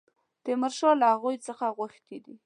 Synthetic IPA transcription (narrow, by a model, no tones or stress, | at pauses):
t̪əmaɾʃɑlahaɣujt͡səxaɣaxt̪id̪i